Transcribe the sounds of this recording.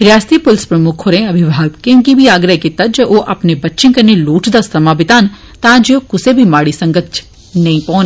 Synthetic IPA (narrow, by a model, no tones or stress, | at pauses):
ɾjaːst̪ipʊlspɾɐmʊkʰoːɾẽɐbʱɪʋʱaːɡ̚kjõːkibʱiaːɡɾəekit̪ɐt̪̚d͡ʒɐʔoʔɐpnebɐtːʃɪ̃nkɐɾneloːʈʰd̪asɾɐmabɪt̪aːn | t̪ãːd͡ʒeokʊsebʱimaːɽisɐ̃ŋɡət̪t͡ʃʰ | nɐĩpɔ̃ːn